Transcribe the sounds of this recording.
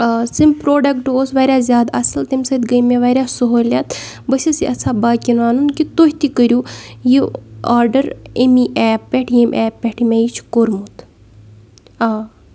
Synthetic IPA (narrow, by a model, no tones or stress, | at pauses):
simʲpɾoːɖɐkʈoːsʋaːɾʲaːzʲjaːd̪ɐsɐlt̪emʲsɐt̪ʲɡəjmeʋaːɾʲaːsoɦoːlʲat̪bəsʲisiʔɐt͡sʰaːbaːkʲinaːnunkit̪ohʲt̪ikəɾʲuːjiaːɾɖɐɾemiʔɛːpːʲɛʈʰjemʲʔɛːpːʲɛʈʰimʲejit͡ʃʰkoɾmut̪ʰ | aː